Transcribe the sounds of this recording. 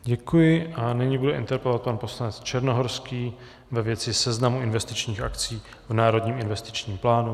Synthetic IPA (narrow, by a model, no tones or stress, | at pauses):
ɟɛkujɪʔanɪɲɪbudɛʔɪ̰nt̪ɛɾpɛlovat̪̚panpo̞slanɛt͡st͡ʃɛɾnoɦoɾskiː | vɛvjɛt͡sɪsɛznamuʔɪnvɛst̪ɪt͡ʃɲiːxa̰kt͡siː | vnaːɾo̞dɲiːmɪnvɛst̪ɪ̥t͡ʃɲiːmplaːnu